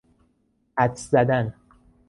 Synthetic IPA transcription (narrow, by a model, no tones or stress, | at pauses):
æt̪zæd̪æn